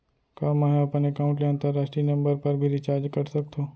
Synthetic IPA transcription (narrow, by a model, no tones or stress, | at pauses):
kaːmãɦɐpənekaːʊ̃ɳʈleə̃nt̪əɾːaːʃʈɾinɐ̃mbəɾpɐɾbʱiɾɪt͡ʃaːɾd͡ʒkɐɾsɐk̚t̪ʰõː